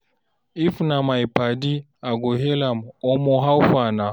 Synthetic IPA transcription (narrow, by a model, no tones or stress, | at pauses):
ifnamajpadi | aɡoɦelamɔmɔɦawfana